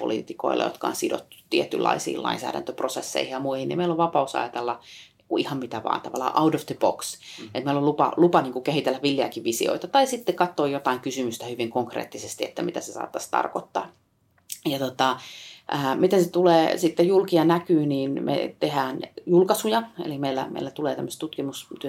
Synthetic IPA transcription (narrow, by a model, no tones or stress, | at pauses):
po̰lḭːt̪iko̰ilʔɑ̰jo̰t̪kɑ̰o̰nsido̰t̪ːut̪iet̪ːylːɑ̰isḭːlɑ̰insæ̰ːɾæ̰nt̪øprosesːḛihijɑmuihinḭmeiloʋʋɑpɑusɑ̰jɑt̪elːɑniŋkuihɑmmit̪æʋɑ̰ːnt̪ɑʋɑlːɑ̰ːʔɑudofd̪əbo̰kset̪meilolupɑ̰lupɑniːŋkukehit̪elːæʋʋilːiɑ̰kiʋʋisḭo̰it̪ɑt̪ɑisit̪ːekɑt̪ːoːjot̪ɑiŋkysymyst̪æhyʋiŋkoŋkrḛːt̪ːisest̪iet̪ːæmit̪æsesɑ̰ːt̪ːɑst̪ɑ̰rkot̪ːɑ̰ː | jɑt̪ot̪ɑʔæːmit̪enset̪uleːsit̪ːejulkiɑnækyːniːnmʔḛt̪ehæːnjulkɑsujɑḛlimeilːæ̰mḛilːæt̪uleːt̪æmːøst̪ut̪kimust̪yø